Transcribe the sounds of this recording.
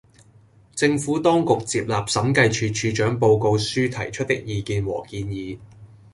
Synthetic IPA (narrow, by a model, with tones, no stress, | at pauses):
t͡sɪ˧ŋfuː˨˥t̪ɔː˥ŋkʊ˨k̚t͡siː˧p̚laː˨p̚sɐ˨˥mkɐ˧jt͡ʃʰyː˧t͡ʃʰyː˧t͡ʃœː˨˥ŋpo˧wko˧wsyː˥t̪ʰɐ̰˨˩jt͡ʃʰɵ˥t̚t̪ɪ˥k̚jiː˨˧kiː˧nwɔ̰ː˨˩kiː˧njiː˨˧